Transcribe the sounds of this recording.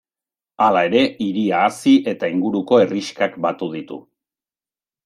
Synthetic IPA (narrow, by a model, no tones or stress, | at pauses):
alae̞ɾe̞iɾiaːsiʔe̞t̪aiŋɡuɾuko̞e̞riʃkakbat̪uð̞it̪ṵ